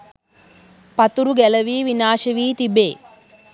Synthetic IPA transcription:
pɐt̪uɾuɡɛlɐʋiːʋinaːʃɐʋiːt̪ibeː

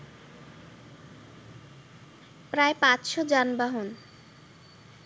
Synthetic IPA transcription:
pɾaepat͡ɕʃod͡ʑanbaɦon

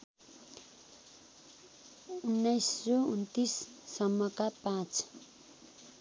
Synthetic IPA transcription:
unːʌjsːount̪isːʌmːʌkapãt͡s

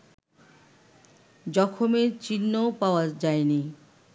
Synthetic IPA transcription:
d͡ʑɔkʰomet͡ɕinːopaoad͡ʑaeni

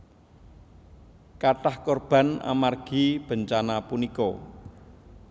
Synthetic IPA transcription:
kaʈahkɔrb̥a̤na̰marɡ̥i̤b̥ə̤ɲt͡ʃanapunikɔ

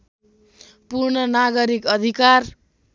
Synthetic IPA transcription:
purnʌnaɡʌɾikʌd̪ʱikar

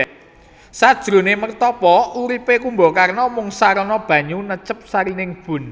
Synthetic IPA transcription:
sad̥ʒ̥ɾo̤nemərt̪ɔpɔʔuɾipekumbokarnɔmʊŋsaɾɔnɔb̥ä̤ɲunət͡ʃəp̚saɾinɪŋb̥ʊ̤n

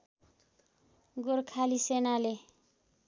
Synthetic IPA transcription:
ɡoɾkʰalisenale

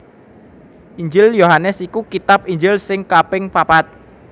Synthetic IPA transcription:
ʔiɲd͡ʒɪljoɦanɛsikukit̪ap̚iɲd͡ʒɪlsɪŋkapɪŋpapat̪̚

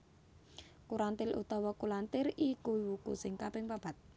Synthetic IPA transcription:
kuɾant̪ɪlʔṵt̪ɔwɔkulant̪ɪɾikuiwukṵsɪŋkabɪŋpab̥a̤t̪̚

